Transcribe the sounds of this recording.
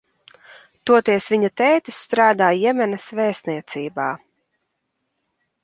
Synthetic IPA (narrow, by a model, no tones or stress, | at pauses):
t̪uɔt̪iɛsvʲiɲat̪ɛːt̪isːt̪ɾaːd̪aːjɛmʲɛnɐsvɛːst̪niɛt̪siːbaː